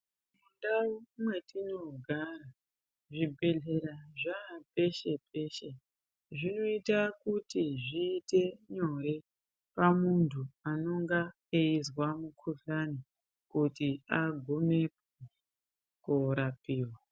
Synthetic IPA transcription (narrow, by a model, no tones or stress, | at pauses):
mundaumwe̞tino̞ɡʱara | ʐibʱe̞ɮe̞ɾaʐape̞ʃe̞pʰe̞ʃe̞ | ʐino̞itakutiʐiːte̞ɲo̞ɾe̞ | pamuntʰuano̞ŋɡa | eizwamukʰuɬani | kutiaɡʱome̞p̚ | e | kuɾapiːwa